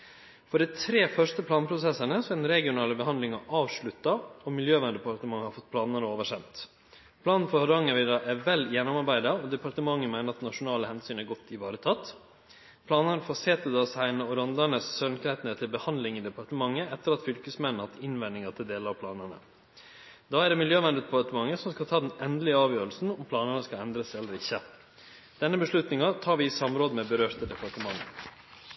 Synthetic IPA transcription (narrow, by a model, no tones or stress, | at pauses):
fɔɖɛɪt̪ʰɾeːfœʂtəpʰlɑːnpʰɾʊsɛsːənəsɛnɾɛɡɪʊnɑːləbəɦɑnd̪lɪŋɑʔɑːʋʂɭʉt̪ːɑɔmɪljøːʋænəd̪ɛpʰɑɾt̪əmɑŋːhɑɾfɔt̪̚ːpʰlɑːnənəoːʋəʂɛmt̪ | pʰlɑːnn̩fɔhɑɾɑŋɑʋɪd̪ɑʔæʋɛlːjɛnʊmɑɾbæɪd̪ɑɔd̪ɛpɑɾʈ̪əmɑŋːəmæɪnəɾɑt̪nɑʂʊnɑːləhɛnsyːnæɾɡɔt̪ʰːɪʋɑːɾət̪ʰɑt̪ː | pʰlɑːnənəfoːseːt̪əd̪ɑsæɪnɔɾɔnd̪ɑɳəsːœlnkʰɾɛt̪nət̪ʰɪlbəhɑnd̪lɪŋiːd̪ɛpɑɾʈ̪əmɑŋːəɛt̪ːəɾɑt̪fʏlkəsmɛnn̩hɑt̪ʰːɪnʋɛnɪŋɑt̪ʰɪld̪eːləɾɑʋpʰlɑːnənə̰ | d̪̥ɑːæɖɛmɪljøːʋɛnd̪ət̪ʰpɑt̪əmɑŋːəsɔmskɑt̪ʰɑːd̪ɛnɛnd̪əlɪəɑːʋjøːɾəlsn̩ɔmpʰlɑːnənəskɑɛnd̪ɾəsɛlːəɾɪçːə | d̪̥ɛnːəbəʂɭʉt̪nɪŋɑt̪ʰɑːɾʋɪsɑmɾoːd̪əmɛbəɾøːɾt̪əd̪ɛpɑɾʈəmɑŋːə̰